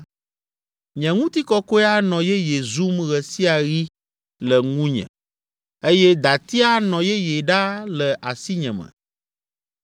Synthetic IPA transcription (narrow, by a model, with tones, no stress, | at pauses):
ɲɛ̃˨ŋũ˦t̪i˦kɔ˦ko˦a˦nɔ̃˨jɛ˦je˨zu˦mɣɛ˨si˦a˨ɣi˦ | lɛ˨ŋũ˦ɲɛ̰̃˨ | e˦jɛ˦d̪a˨t̪i˦a˦nɔ̃˨jɛ˦je˨ɖa˦lɛ˨ʔa˨si˦ɲɛ̰̃˨mɛ̰̃˨